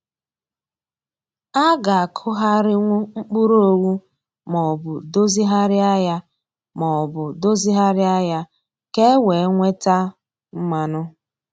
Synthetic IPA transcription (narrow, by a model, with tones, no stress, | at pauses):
a˦ɡa˨a˨kʰʊ˦ɦa˦ɾɪ˦ŋʷʊ˦ŋ͡m̩˦k͡pu˦ɾo˦o˦˨wu˦ | mɔ˨bʊ˨do˦zi˦ɦa˦ɾɪ˦a˦ja˦ | mɔ˨ɔ˨bʊ˨do˦zi˦ɦa˦ɾɪ˦a˦ja˦ | ke˦we˨˦ŋʷe˦ta˦ | m̩˦ma˦nʊ˦